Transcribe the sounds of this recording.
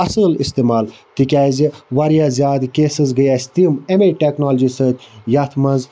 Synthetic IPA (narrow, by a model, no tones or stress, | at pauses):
ɐsɨlḭst̪eːmaːlt̪ikʲaːziʋaɾjaːzjaːd̪keːsɨzɡəjaːsʲt̪imemeʈeknoːld͡ʒisət̪ʲjaːt̪ʰmɐnz